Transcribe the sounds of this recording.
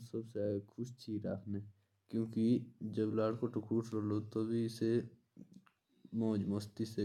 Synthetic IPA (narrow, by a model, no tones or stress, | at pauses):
sɐbsekʰʊʃt͡ʃʰiɾa̰ːkʰne | kjõːkid͡ʒəblaːɽkoʈʊkɾuʈɾolot̪obʱiɪse | mɔ̃ːd͡ʒmost̪ise